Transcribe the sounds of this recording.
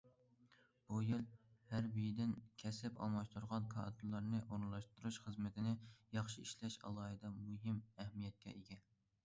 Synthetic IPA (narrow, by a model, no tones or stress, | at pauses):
b̥ujilhæɾbijid̪ɪnkʲʰɛsɪpɑ̰lˠmɑʃt̪ʰuɾʁɑnkʰɑ̰ːd̪ɨɾlˠɑɾnɨʔoɾɨnlˠɑʃt̪uɾuʃχəzmɪt̪ʰɪnɪjɑχʃiiʃlɛʃɑ̰lˠɑːɦɨd̪ɑmuɦɪmɛhmijɛt̪̚kʲɛ̰ʔeɡʲɛ